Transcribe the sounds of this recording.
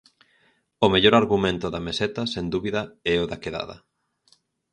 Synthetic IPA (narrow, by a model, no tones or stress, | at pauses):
ʊmeʎoɾaɾɣumẽnt̪ʊðɐmesɛt̪ɐsend̪uβiðɐɛʊðakeða̰ðɐ̰